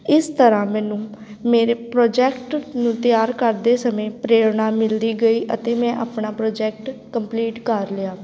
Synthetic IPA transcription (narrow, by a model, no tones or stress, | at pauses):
ɪst̪əɾãːmɛ̃ːnũː | meːɾeːpɾoːd͡ʒɛːkʈnũːt̪ɪjaːɾkəɾd̪eːsəmẽːpɾeːɾnaːmɪld̪iːɡəiːʔə̰t̪eːmɛ̃ːʔaːpɳaːpɾoːd͡ʒɛːk̚ʈkəmpliːʈkəɾlɪjaː